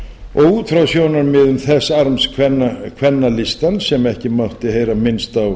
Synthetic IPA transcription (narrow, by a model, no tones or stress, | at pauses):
ɔɣuːt̪fɾawsjownaɾmɪðʏmθɛsːaɾmskʰvɛnːakʰvɛnːalɪst̪ansɛmɛhcɪmawht̪ɪɦejɾamɪnst̪aw